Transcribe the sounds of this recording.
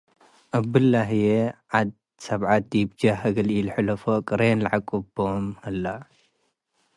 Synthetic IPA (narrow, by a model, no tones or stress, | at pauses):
ʔabɨlːaɦjeʕad̪̚ | sɐβʕat̪̚ːibd͡ʒahɐɡɐlilħɨlɐfokʼɨɾenlɐʕakʼubomhɐlːa